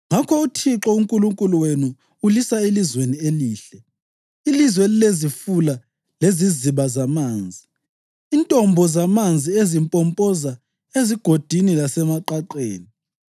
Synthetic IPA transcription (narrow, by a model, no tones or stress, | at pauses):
ŋakʰɔutʰiǁɔuŋkʼuluŋkʼuluwenu | ulisaelizwenieliːɬɛ | ilizweilezifula | leziziβazamaːnd͡zʱiː | ntʼɔmbʱɔzamand͡zʱiezimpʼɔmpʼɔza | eziɡ̥ʱod̥ʱinilasɛmaǃaǃḛːni